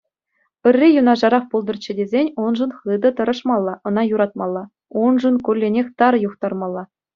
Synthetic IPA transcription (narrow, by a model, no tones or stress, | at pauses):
pɘ̆rʲːijunɑʐɑɾɑχpulˠd̪ɤ̆rt͡ɕːɘ̆dʲezʲenʲunʐɤ̆nχɯd̪ɤ̆t̪ɤ̆ɾɤ̆ʂmɑlˠːɑʔɤ̆nɑjuɾɑt̪̚mɑlˠːɑ | unʐɤ̆nkʲurlʲːenʲexʲt̪ɑɾjuχt̪ɑrmɑlˠːɑ